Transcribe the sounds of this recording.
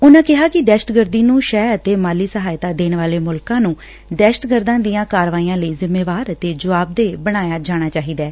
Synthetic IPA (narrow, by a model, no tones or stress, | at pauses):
ʊnãːkɪɦaːkɪd̪ɛːʃəʈɡəɾd̪iːnũːʃɛːət̪eːmaːliːsəɦaːjt̪aːd̪eːɳʋaːleːmʊlkãːnũː | d̪ɛːʃə̥ʈɡəɾd̪ãːd̪ijãːkaːɾʋaːiːãːləiːzɪmːeːʋaːɾət̪eːd͡ʒəʋaːb̚d̪eːbəɽ̃aːjaːd͡ʒaːɽ̃aːt͡ʃaːɦiːd̪ɛː